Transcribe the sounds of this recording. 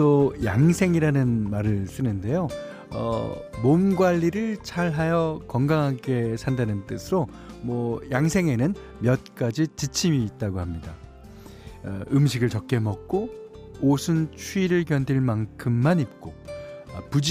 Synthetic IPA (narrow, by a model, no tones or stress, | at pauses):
ojaŋsʰe̞ŋiɾanɯnmaɾɯɭs͈ɯnɯnde̞jo | ʌ̰momɡwaʎːiɾɯɭt͡ɕʰaɭɦajʌkʌŋɡaŋɦaɡe̞sʰandanɯnt͈ɯsʰɯɾo | mwʌjaŋsʰe̞ŋe̞nɯn | mjʌt̚k͈ad͡ʑit͡ɕit͡ɕʰimiːt̚t͈aɡohamɲida | ɯmɕʰiɡɯɭt͡ɕʌk̚k͈e̞mʌk̚k͈o | osʰɯnt͡ɕʰuiɾɯɭkjʌndiɭmaŋkʰɯmːanip̚k͈o | pud͡ʑ